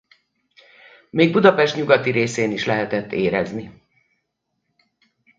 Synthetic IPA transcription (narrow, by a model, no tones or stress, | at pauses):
meːɡ̚bud̪ɒpɛʃt̪ɲuɡɒt̪iɾeːseːniʃlɛɦɛt̪ɛt̪ːeːɾɛ̰zni